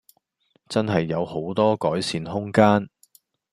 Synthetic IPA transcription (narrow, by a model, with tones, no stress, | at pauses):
t͡sɐ˥nɦɐ˨jːɐ˨˧who˨˥wt̪ɔː˥kɔː˨˥jsiː˨nɦʊ˥ŋkaː˥n